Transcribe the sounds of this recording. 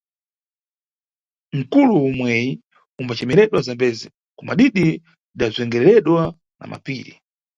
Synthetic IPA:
ŋ̩kuluːmwɛji | umbat͡ʃɛmɛɾɛɗwazambɛzi | kɔma̰ɗiɗi | ɗazɛŋɡɛɾɛɾɛɗwa | na̰ma̰piːɾḭ

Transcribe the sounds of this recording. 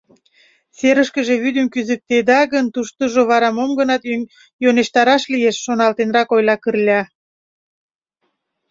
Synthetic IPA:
seɾəʃkə̆ʒe̽βyd̪əmkyzək̚t̪ed̪ɑɣənt̪uʃt̪əʒoβɑɾɑmomɡənɑt̪ | joneʃt̪ɑɾɑʃlijeʃːonɑlt̪enrɑkojlɑkərlʲɑ

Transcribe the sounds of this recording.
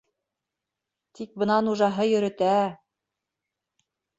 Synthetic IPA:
t̪ik̚bɤ̆nɑnuʒɑɦɤjɵ̆ɾɘ̆t̪æ

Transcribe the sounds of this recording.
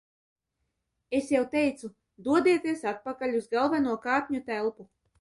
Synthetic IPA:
esjawt̪ɛjt̪su | d̪uɔd̪iɛt̪iɛsat̪̚pakaʎʲuzɡalˠvanuɔkaːt̪ʲɲut̪ælˠpu

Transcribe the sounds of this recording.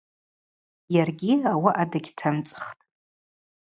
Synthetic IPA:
jarɡʲiawaʔadaɡʲtʰamt͡sʼχtʼ

